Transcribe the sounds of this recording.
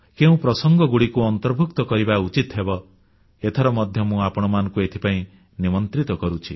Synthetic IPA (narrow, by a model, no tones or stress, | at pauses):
keũpɾɔsɔŋɡɔɡuɽikuɔnt̪ɔɾbʱuk̚t̪ɔkɔɾibaut͡ʃit̪ɦebɔ | et̪ʰaɾɔmɔd̪ʱjɔmũapɔɽ̃ɔmanɔ̃ŋkuet̪ʰi̥paĩ | nimɔnt̪ɾit̪ɔkɔɾut͡ʃʰi